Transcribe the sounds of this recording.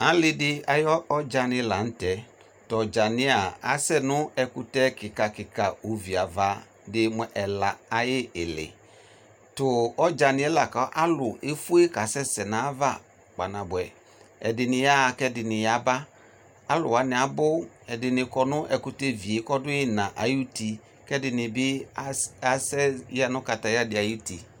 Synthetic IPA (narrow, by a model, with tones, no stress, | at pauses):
a˨˦lɪ˦dɪ˦a˨jɔ˦ɔ˦d͡ʒa˨nɪ˨˦la˨n̩˦tɛ˨˦ | tɔ˨d͡ʒa˨nɪ̃˦a˨a̰˨˦sɛ˦nʊ˦ɛ˨kʊ˦tɛ˦kɪ˨ka˨kɪ˨ka˨o˨vi˨a˨va˨˦ | dɪ˦mɛ˦ʔɛ˨la˨a˨jɪ˦ɪ˨lɪ̰˨ | tʊ˨ɔ˦d͡ʒa˨nɪ˦ɛ˦la˨ka˨˦ʔa˦lʊ˨e˦fu˦e˦ka˨sɛ˦sɛ˨nã˨˦va̰˦˨ | k͡pa˨na˨bʊ˨ɛ˨ | ɛ̰˨dɪ˨nɪ˨ja˦˨kɛ˦dɪ˨nɪ˨ja˦ba˦ | a˦lʊ̰˨wa˨˦nɪ˨a˨bʊ˦ | ɛ˨dɪ˨nɪ˨kɔ˨nʊ˦ʔɛ˨kʊ˨te˦vi˨e˨˦kɔ˦dʊ˦ɪ˦nã˨ʔa˨ju˦ti˨ | kɛ˦dɪ˨nɪ˨bɪ˦ | a˨sɛ˦ja˦nʊ˦ka˨ta˨ja˦dɪ˨a˨ju˦ti˨